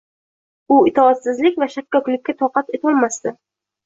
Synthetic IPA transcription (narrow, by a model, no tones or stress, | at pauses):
ʊɪt̪ʰɒːt̪sɪzlɪkʲvaʃap̚kɒkʲlɪkʲːat̪ʰɒqɑt̪e̞t̪ʰɒlˠmast̪ɪ